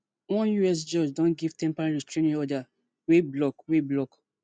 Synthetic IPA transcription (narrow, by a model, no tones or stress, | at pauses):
wɔ̃njuɛs̬d͡ʒɔd͡ʒdɔ̃nɡiv̥tɛ̃mpaɹãɹistɹẽnĩɔda | weblɔkweblɔk